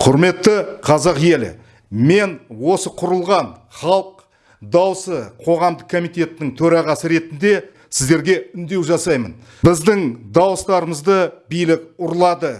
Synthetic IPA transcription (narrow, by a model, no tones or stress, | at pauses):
qʰʊɾme̞t̪ːəqʰɑzɑqje̞l̰ | me̞nwo̞səqʰʊɾəlˠʁɑnχɑlˠq | d̪ɑwəsəqʰo̞ʁɑmd̪əq̚kʰːo̞mijt̪ʲe̞t̪ɪnɪŋt̪ʰɵɾɑʁɑsəɾe̞t̪ɪnd̪e̞ | sɪzd̪e̞ɾɡʲe̞ʏnd̪e̞wʒɑsɑjmə̰n | bɪzd̪ɪŋd̪ɑwəst̪ɑɾəməzd̪əbijlɪk̚ʊɾlˠɑd̪ə